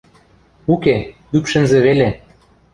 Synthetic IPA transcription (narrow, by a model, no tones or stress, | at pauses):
uke | ypʃɘ̆nzĕβele